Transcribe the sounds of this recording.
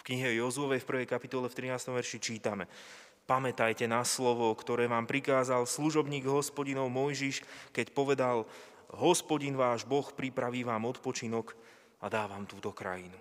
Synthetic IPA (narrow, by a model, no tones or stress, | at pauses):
fkɲiɦɛjɔzuɔʋɛjfpr̩ʋɛjkapit̪ɔlɛft̪ɾinaːst̪ɔmʋɛɾʃit͡ʃiːt̪amɛ | pamɛt̪ajcɛnaslɔʋɔkt̪ɔɾɛːʋaːmpɾikaːzalsluʒɔbɲiːɡɦɔspɔɟinɔʊmɔjʒiʃkɛcpɔʋɛd̪al | ɦɔspɔɟinʋaːʒbɔxpɾipɾaʋiːʋaːmɔt̪pɔt͡ʃinɔk | ad̪aːʋaːmt̪uːt̪ɔkɾa̰jinu